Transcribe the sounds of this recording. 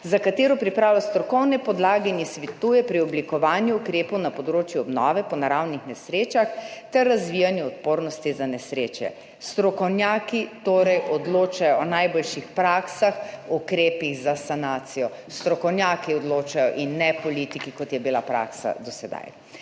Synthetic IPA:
zakat̪eːɾɔpɾipɾaːwlast̪ɾɔkɔwnɛpɔd̪laːɡɛnisʋit̪uːjɛpɾiɔblikɔʋaːnjuːkɾeːpɔwnapɔd̪ɾoːt͡ʃjuɔbnɔːʋɛpɔnaɾawnixnɛsɾeːt͡ʃaxt̪ɛrːazʋijanjɛɔt̪poːɾnɔst̪izanɛsɾeːt͡ʃjɛ̰ | st̪ɾɔkɔwnjaːkit̪oːɾɛjɔd̪loːt͡ʃajɔːnajbolʃixpɾaksaxukɾeːpiɣzasanaːt̪sijɔ | st̪ɾɔkɔwnjaːkiɔd̪loːt͡ʃajɔʔinːɛpɔlit̪ikikɔt̪jɛbilapɾa̰ksa̰d̪ɔsɛd̪a̰j

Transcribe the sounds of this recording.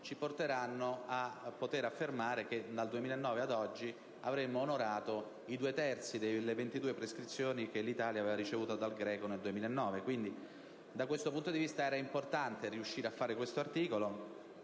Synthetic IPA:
t͡ʃiport̪eɾanːoapːot̪eɾafːermaːɾeked̪ald̪uemiːlaenːɔːvead̪ɔd͡ʒːi | avɾemːoːnoɾaːt̪o | id̪uːet̪ɛrt̪sid̪elːevent̪id̪uːepɾeskɾit̪sːjoːnikelit̪aːljaːveːvaɾit͡ʃevuːt̪od̪alɡɾɛːkoneld̪uemiːlaenːɔːvekwind̪i | d̪akwest̪opunt̪od̪ivist̪aɛːɾaimport̪ant̪eriuʃːiːɾeafːaːɾekwest̪oart̪iːkolo

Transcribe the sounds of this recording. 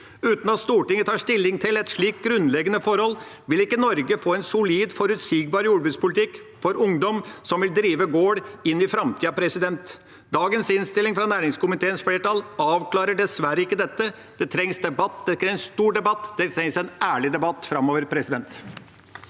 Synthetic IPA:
ʉːt̪n̩ɑt̪st̪uːʈɪŋːət̪ʰɑːʂt̪ɪlːɪŋt̪ʰɪlɛt̪ʂɭiːk̚ɡɾʉnlɛɡənəfɔɾhɔlː | ʋɪlɪkːənɔɾɡəfoːɛnsʊliːd̪fɔɾʉt̪siːɡbɑːɾjuːbʉːt̪spʊlɪt̪ʰɪkfɔɾʊŋd̪ɔmsɔmʋɪld̪ɾiːʋəɡoːɽɪnːɪfɾɑmt̪ʰiːɑpʰɾɛsɪd̪ɛnt̪ | d̪ɑːɡənsɪnst̪ɪlɪŋfɾɑnæːɾɪŋskʊmɪt̪ʰeːənsfleːʈɑlɑːʋkʰlɑːɾəɖɛsʋæɾəɪkːəd̪ɛt̪ːə | d̪̥ɛt̪ʰɾɛŋsd̪ɛbɑt̪ːd̪ɛɾɛɛnst̪uːɖɛbɑt̪ːd̪ɛt̪ʰɾɛŋsɛnæːɭɪd̪ɛbɑt̪ːfɾɑmoːʋəɾpʰɾɛsɪd̪ɛnt̪

